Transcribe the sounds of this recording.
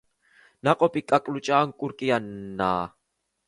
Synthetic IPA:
naqʼɔpikʼakʼlut͡ʃʼaːŋkʼuɾkʼijanːa̰ː

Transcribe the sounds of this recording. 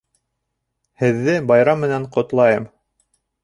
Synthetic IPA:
hɘ̆ðːɘbɑjɾɑmːɘ̆næɴqŏt̪lˠɑjɤm

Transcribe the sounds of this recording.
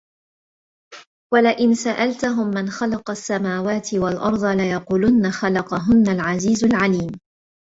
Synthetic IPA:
walaʔɪnsaʔalt̪aɦʊmːanxalɑqɑsːamaːwaːt̪ɪwalʔɑɾˤd̪ˤɑlajɑquːlʊnːaxalɑqɑɦʊnːalʕaziːzalʕaliːm

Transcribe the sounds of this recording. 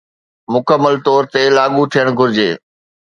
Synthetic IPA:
mʊkəmːəlt̪ɔːɾt̪elaːɠut̪ʰijəɽ̃ɡʱʊɾɪd͡ʑeː

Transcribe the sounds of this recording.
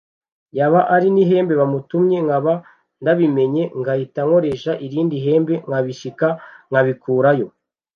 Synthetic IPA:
jaβaʔaɾiniɦe̞ːmbe̞βamutumɲe̞ŋɡaβa | ndaβime̞ɲe̞ŋɡahitaŋo̞ɾe̞ʃaʔiɾiːndiɦe̞ːmbe̞ŋaβiʃikaŋɡaβikuːɾajo̞

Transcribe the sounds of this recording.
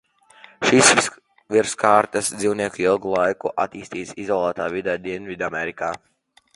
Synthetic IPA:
ʃis | viɾskaːɾt̪asd̪ziwniɛkuilˠɡulˠajkuʔa̰t̪iːst̪iːsizɔlˠaːt̪aːvid̪ɛd̪iɛnvid̪amɛɾikaː

